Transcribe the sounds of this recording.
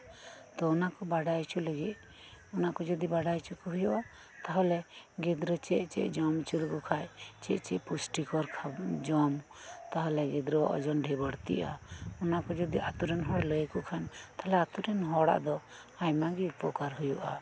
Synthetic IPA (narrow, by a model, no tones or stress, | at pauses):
t̪ɔɔnakɔbaɖajt͡ʃuləɡit̪̚ | ɔnakɔd͡ʒɔd̪ibaɖajt͡ʃukɔɦujuʔa | t̪aɦɔlɛɡɛd̪ɾɔt͡ʃɛʔt͡ʃɛ̰ʔd͡ʒɔmt͡ʃulkɔkʰajt͡ʃɛʔt͡ʃɛʔpusʈikɔɾkʰad͡ʒɔmt̪aɦɔlɛɡɛd̪ɾɔwa̰ʔɔ̰d͡ʒɔnɖʱɛbəɽt̪ḭʔa̰ɔnakɔd͡ʒɔd̪iʔat̪uɾɛnɦɔɽləjkɔkʰant̪ʰalaat̪uɾɛnɦɔɽa̰ʔd̪ɔ | ajmaɡiupɔkaɾɦujuʔa